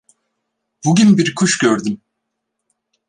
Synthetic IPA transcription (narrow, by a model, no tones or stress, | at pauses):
buɟynbiɾkʰuʃɟøɾd̪ym